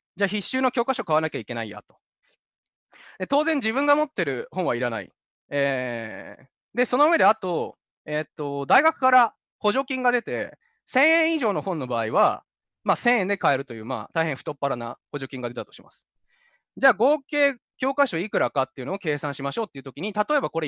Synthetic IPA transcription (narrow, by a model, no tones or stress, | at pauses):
d͡ʑaːçiɕːɨːno̞kʲo̞ːkaɕo̞kaβanakʲaikʲe̞naija̰t̪o̞̥ | d̪e̞t̪o̞ːzẽ̞ɲ̟d͡ʑiβɯ̃ŋɡamo̞t̪ːe̞ɾɯ̟hõɰ̃βaiɾana̰ḭ | eː | d̪e̞so̞no̞ɯβe̞d̪e̞at̪o̞ | et̪ːo̞d̪aiɡakɯ̟̥kaɾa | ho̞ʑo̞kʲĩŋɡad̪e̞t̪e̞ | sẽ̞ɰ̃ẽ̞ɰ̃iʑo̞ːno̞hõ̞nːo̞baːiβa | maːsẽ̞ɰ̃ẽnd̪e̞kae̞ɾɯ̟t̪o̞jɯ̟ːma̰ːt̪aihẽ̞ɸɯ̥t̪o̞pːaɾanaho̞ʑo̞kʲĩŋɡad̪e̞t̪at̪o̞ɕima̰sɨ̥ | d͡ʑaːɡo̞ːke̞ː | kʲo̞ːkaɕo̞ikɯ̟ɾakat̪ːe̞iɯ̟noːke̞ːsãɰ̃ɕimaɕo̞ːt̪ːeiɯ̟t̪o̞kʲiɲ̟it̪at̪o̞e̞bako̞ɾe